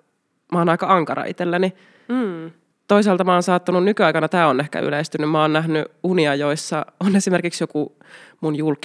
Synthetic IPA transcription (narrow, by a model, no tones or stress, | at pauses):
mɑːnɑikɑɑŋkɑrɑ̰ʔḭt̪elːæni | t̪oiseɑlt̪ɑmɑːnsɑːt̪ːununnykyɑikɑnɑt̪æːonehkæ̰y̰lest̪ynːymmɑoːnnæɦnyuniɑjoisːɑonesimerkiksjoku | munjulk